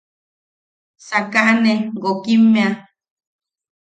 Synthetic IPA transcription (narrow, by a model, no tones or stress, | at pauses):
sakaʔneɡokimːẽa